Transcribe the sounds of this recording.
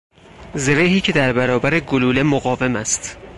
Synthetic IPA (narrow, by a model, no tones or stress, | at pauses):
zeɾeɦiːcʰe̞d̪æɾbæɾɒːbæɾeɡoluːle̞moɣɒːve̞mæst̪